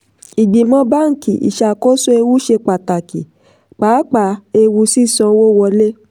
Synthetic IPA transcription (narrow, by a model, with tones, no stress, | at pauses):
i˨ɡ͡bĩ˨mɔ̃˧˦ba˦˨ŋ̩˨ki˨ḭ˨ʃa˧˨ko˦so˦e˧wu˦ʃe˧k͡pa˨ta˨ki˨ | k͡paː˨˦k͡pa˨e˧wu˧si˦˨sɔ̃˧wo˦wɔ˧le˦